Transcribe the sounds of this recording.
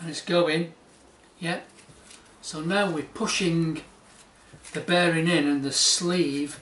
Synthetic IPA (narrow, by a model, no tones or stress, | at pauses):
ə̃nɪtsɡ̥oʊɪ̃ŋ | jɛt̚ | soʊnaʊwɪpʰʊʃɪ̃ŋ | ðɨbɛɹɪ̃ŋɪ̃nɨ̃nðɨsliːv̥